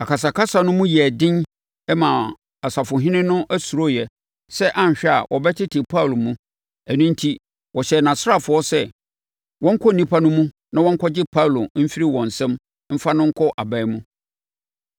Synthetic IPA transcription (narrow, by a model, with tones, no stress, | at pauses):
a˨ka˨s̬a˨kʰa˦sa˨nʊ̃˦mũ˦jdɪ̃˦n | ɛ˦mã˨ | a˨sa˨fʊ˨ɦɪ̃˦nɪ̃˦nʊ̃˦ʔæ˦su˨ɾo˦˨jɛ˨ | sɛ˦ʔã˦ɲ˨ɕᶣɛ˦a̰˨wʔɔ˨bɛ˦tʰɪ˦tʰɪ˨pʰa˦wlo˨mũ˦ | æ˨nũ˦n̩˦tʰi˦ | wʔɔ˨ɕɛ˨nã˨sa˦fʊ˨ɔ˦sɛ˦ | wʔɔ̃˦ŋ̩˦kʰɔ˦˨nĩ˦pʰa˦nʊ̃˦mũ˦ | nã˦wɔ̃˦ŋ̩˦kʰɔ˦d͡ʑɪ˦pʰa˦˨lo˨m̩˦fi˦ɾi˦wɔ̃˨n̩˨sɛ̃˦m | m̩˦fa˦nʊ̃˦ŋ̩˦kʰɔ˦ʔa˨ba˦mũ˦